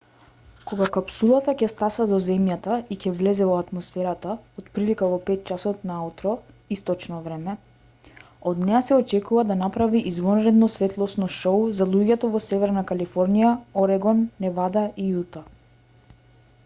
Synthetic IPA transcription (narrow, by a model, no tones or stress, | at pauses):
kɔɡakapsulˠat̪acɛst̪asad̪ɔzɛmjat̪aicɛvlɛzɛvɔat̪mɔsfɛɾat̪aot̪pɾilikavɔpɛt̪̚t͡ʃasɔt̪naut̪ɾɔ | ist̪ɔt͡ʃnɔvɾɛmɛ | ɔd̪nɛjasɛɔt͡ʃɛkuvad̪anapɾaviʔizvɔnɾɛd̪nɔsvɛt̪lˠɔsnɔʃɔwzalˠuɟɛt̪ɔvɔsɛvɛɾnakalifɔɾnijaɔɾɛɡɔnːɛvad̪aʔijut̪a